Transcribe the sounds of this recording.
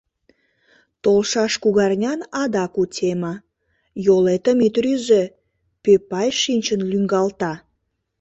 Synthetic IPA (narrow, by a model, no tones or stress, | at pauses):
t̪olʃɑʃkuɣɑrnʲɑnɑd̪ɑkutʲemɑ | jolet̪əmit̪ryze | pepɑjʃinʲt͡ɕənlyŋɡɑlt̪ɑ